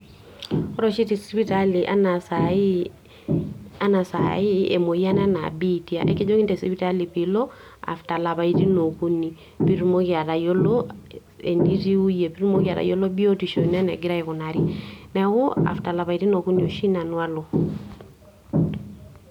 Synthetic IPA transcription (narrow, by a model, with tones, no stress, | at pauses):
ɔ˦ɾɔ˦ʃi˦ti˨spi˦tali˨ʔa˦na˨sai˦ | a˦na˨sa̰˨i˦ɛ̰˨mo˨i˦a˦na˦na̰˨bi˦ti˦a̰˨ʔɛ̰˦ki˦d͡ʒo˦ki˦ntɛ˨sipi˦ta˦li˨pilɔ˦ | a̰˨fta˨la˨βa˨i˦ti˦no˨ku˦ni˨ | pi˦ɾu˦mɔ˦ka˨ɾa˨jɔ˦lɔ | ɛ̰˨ndi˦ɾi˦u˦je˨pi˦ɾu˦mo˦ka˨ɾa̰˨jɔ˦lɔ˦bi˦ɔ˦ti˨ʃɔ˨n˦a˦nɛ̰˨ɡi˦ɾa˦ɛ˨kɔ˨na˨ɾi˦nɛwɔ˦a̰˨fta˨la˨βa˨i˨ɾi˦no˨ku˦ni˨o˨ʃi˦na˨nwa˦lɔ˨